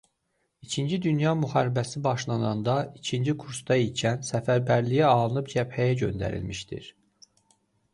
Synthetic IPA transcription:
it͡ʃʰind͡ʒid̪ynjɑmyhɑːɾibæsibɑʃlˠɑnɑnd̪ɑicʰind͡ʒikʰuɾsd̪ɑicʰænsæfæɾbæɾlijæɑlˠɯnɯpd͡ʒæbhæjæɟø̞̰nd̪æ̰ɾḭlmiʃd̪ḭɾ

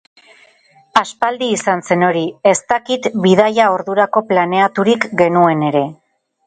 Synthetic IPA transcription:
aspald̪iːsanse̞no̞ɾie̞st̪akit̪biðajaoɾðuɾako̞plane̞at̪uɾikɡe̞nue̞ne̞ɾe̞

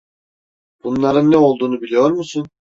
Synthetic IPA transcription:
b̥unlˠaɾɯnːɛo̞lˠd̪uːnubilʲijo̞ɾmusun

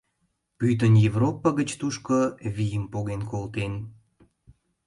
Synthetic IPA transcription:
pyt̪̬ənjevropːaɣət͡ɕt̪uʃkoβʲijəmpoɣenkolt̪en

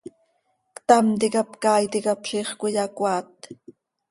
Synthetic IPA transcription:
kt̪amt̪̬ikapkaːjt̪ikapʃiːχkʷujɑkʷɑːt̪̚

